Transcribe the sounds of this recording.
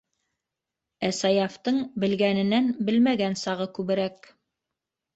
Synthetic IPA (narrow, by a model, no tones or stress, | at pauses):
æsɑjɑft̪ɤɴbɘ̆lɡænɘ̆nænbɘlmæɡænsɑʁɤkʉβɘ̆ɾæk